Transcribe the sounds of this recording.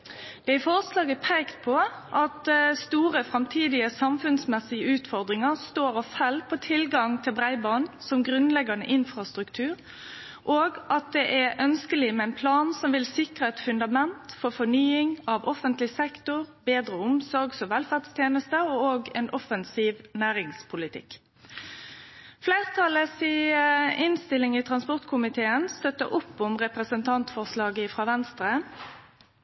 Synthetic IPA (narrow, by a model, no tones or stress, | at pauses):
d̪̥ɛɪfɔɾslɑːɡəpʰeːkt̪̚pʰɔʔɑt̪st̪uːɾəfɾɑmt̪ʰiːd̪ɪəsɑmfʉnsmɛsɪəʉːt̪fɔɾd̪ɾɪŋəʁst̪oːɾɑfɛlpʰɔt̪ʰɪlɡɑŋt̪ʰɪlbʁæɪbɑːnsɔmɡʁʉnlɛɡɑnə̰ʔɪnfʁɑst̪ɾʉkt̪ʰʉːɾ | ʔoːɡʔɑt̪̚d̪ɛʔæɾʔœnskəlɪmɛæɪnpʰlɑːnsɔmʋɪlsɪkʁəɛt̪fʉnd̪ɑmɛnt̪fɔʁfɔnyːɪŋɑʋɔfənt̪lɪsɛkt̪ʊʁbeːd̪ʁəʊmsɔɾɡsɔmʋɛlfæʁd̪st̪ʰjeːnəst̪əɔoːɡɛ̰nʔɔfənsiːʋnæːʁɪŋspʰʊlɪt̪ʰɪ̰k | flæɪʁt̪ʰɑləsiɪnst̪ɪlːɪŋit̪ʰʁɑnspɔʁt̪kʰʊmɪt̪ʰeːənst̪œt̪ːə̰ʔʊpːʊmʁɛpʁəsənt̪ʰɑnt̪fɔʁslɑːɡəɪfʁɑːʋɛnst̪ʁə